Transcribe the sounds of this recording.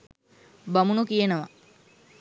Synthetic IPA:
bamunukijenəʋa

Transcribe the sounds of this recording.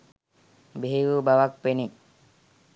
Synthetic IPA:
beɦiɾuːbaʋak̚peni

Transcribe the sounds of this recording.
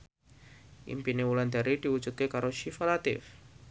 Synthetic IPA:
ʔḭmpinewuland̪aɾid̪̥iwu̥d͡ʒ̥ut̪̚kekaɾoʃifalat̪ɪ̰f

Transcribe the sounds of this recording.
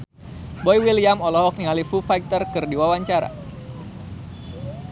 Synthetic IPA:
bɔjwiliamɔlɔɦɔk̚niŋalifufajk̚t̪ərkɨrdiwawaɲt͡ʃaɾa̰

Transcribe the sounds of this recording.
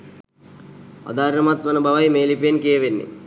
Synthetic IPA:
ɔ̰d̪aːɾnɐmat̪ʋɐnubʱaʋajmeːlipejenkijeʋenːḭ

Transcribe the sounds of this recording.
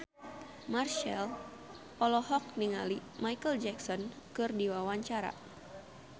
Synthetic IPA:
marʃɛl | pɔlɔhɔk̚niŋalimajkəld͡ʒɛksɔn | kɨrdiwawaɲt͡ʃaɾa̰

